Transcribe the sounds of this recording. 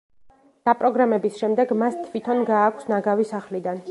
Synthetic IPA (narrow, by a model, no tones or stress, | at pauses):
d̪̥apʼɾɔɡɾamɛbisʃɛmd̪ɛɡmast̪ʰvit̪ʰɔnɡaːkʷʰsnaɡavisaχlid̪an